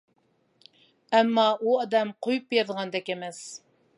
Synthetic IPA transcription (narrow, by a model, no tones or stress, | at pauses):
æmːɑuɑd̪ɛmqʰojupjɑɾðʁɑnd̪ɛkʲemɛs